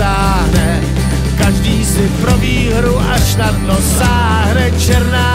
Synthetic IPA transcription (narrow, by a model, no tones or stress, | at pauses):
aː | nɛ | kaʒdiːsɪpɾobiːɦɾuʔaʃnadnosaː | ɦɾɛt͡ʃɛɾnaː